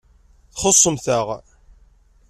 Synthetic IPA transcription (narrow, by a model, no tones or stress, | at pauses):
θχosˤːəmθəʁ